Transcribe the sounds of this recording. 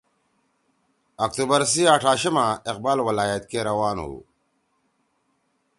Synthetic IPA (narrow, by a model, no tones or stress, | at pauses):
ɐk̚t̪ubɐɾs̬iaʈʰaːɕɐmaɪq̚baːlwɐlaːjat̪̚keɾɐwaːnṵ